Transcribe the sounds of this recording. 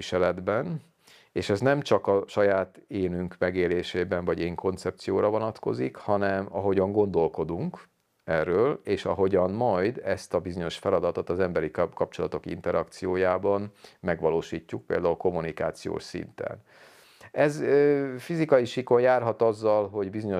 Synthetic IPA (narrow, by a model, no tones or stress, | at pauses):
iʃɛlɛd̪bɛn | eːʃɛznɛmt͡ʃɒkɒʃɒjaːt̪eːnyŋkmɛɡeːleːʃeːbɛɱvɒɟeːŋkʰo̞nt̪sɛp̚t̪sijoːɾɒvo̞nɒt̪ko̞̰zikhɒnɛmɒɦo̞ɟɒŋɡo̞nd̪o̞lko̞d̪uŋk | ɛrːøːleːʃɒɦo̞ɟɒnmɒjd̪ɛst̪ɒbizo̞ɲo̞ʃfɛlɒd̪ɒt̪o̞t̪ɒzɛmbɛɾikɒp̚t͡ʃo̞lɒt̪o̞kḭnt̪ɛɾɒkt̪sijoːjaːbɒnmɛɡʋɒloːʃiːcːuk̚pḛːld̪aːulko̞munika̰ːt̪sijo̰ːʃsḭnt̪ɛ̰n | ɛzøːfizikɒjiʃiko̞ɲjaːrɦɒt̪ɒzːɒlɦo̞ɟbizo̞ɲo